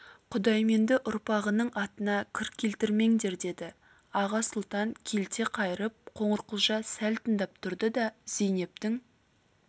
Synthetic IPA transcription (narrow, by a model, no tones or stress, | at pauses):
qʰʊd̪ɑjme̞nd̪ɪʔʊɾpɑʁənəɴɑt̪ənɑkʲʰɪɾkʲʰːe̞lt̪ɪɾme̞ŋd̪e̞ɾd̪e̞d̪ɪ | ɑʁɑsʊlˠt̪ɑŋkʲʰe̞lt̪e̞qʰɑjəɾəp̚qʰo̞ɴəɾqəlˠʒɑsælt̪ənd̪ɑp̚t̪ʰʊɾd̪əd̪ɑzejne̞p̚t̪ɪŋ